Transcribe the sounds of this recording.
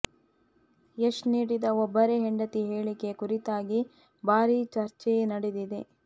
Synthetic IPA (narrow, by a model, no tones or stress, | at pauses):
eʂniːɽid̪ɐɔbːɐɾeɦeɳɖɐt̪iɦe̞ːɭike̞kuɾit̪aːɡi | baːɾit͡ʃɐɾt͡ʃɛjnɐɽed̪id̪e̞